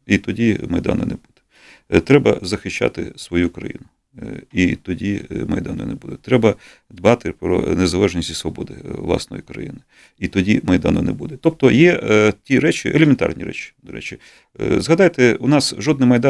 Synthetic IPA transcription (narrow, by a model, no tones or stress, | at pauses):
it̪ɔdʲimɐjd̪ɑ̰nɐ̰nebud̪̥ɛ̥ | t̪ɾɛbɐ̰zɐxɪʃːa̰t̪ɪ̰sʋɔjukɾɐ̰jḭnʊ | it̪ɔdʲimɐjd̪ɑnɔ̰nebud̪ɛt̪ɾɛbɐ | d̪bɑt̪ɪpɾɔ̰nezɐlˠɛʒnʲisʲtʲisʋɔbɔd̪ɪ̰ʋlˠɑ̰snɔ̰jikɾɐ̰jḭnɪ | it̪ɔdʲimɐjd̪ɑnɐnebud̪ɛt̪ɔp̚t̪ɔjɛtʲiɾɛt͡ʃʲiʔelʲemʲɛnt̪ɑ̰rnʲiɾɛ̰t͡ʃɪ̥d̪ɔɾɛ̰t͡ʃɪ | zɦɐd̪ɑjt̪ɛunɑsʒɔd̪nɪmɐjd̪ɑ